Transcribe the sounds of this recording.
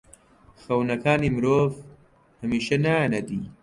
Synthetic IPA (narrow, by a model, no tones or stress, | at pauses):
xɐwnɐkʰaːnimɾoːv | hɐmiːʃɐnaanɐd̪iː